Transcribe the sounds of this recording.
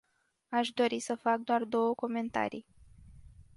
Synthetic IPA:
aʃd̪o̞ɾisəfak̚d̪oard̪o̞wəko̞me̞nt̪a̰ɾḭj

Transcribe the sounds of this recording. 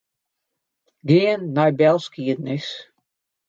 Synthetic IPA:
ɡɪənːajbɛlˠskiədnɪs

